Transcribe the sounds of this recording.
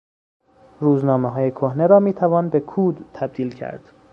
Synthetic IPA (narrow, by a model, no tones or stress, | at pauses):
ɾuːznɒːmeɦɒːjekʰohneɾɒːmiːt̪ʰævɒːnbe̞kʰuːd̪t̪ʰæb̚d̪iːlcʰæ̰ɾd̪̥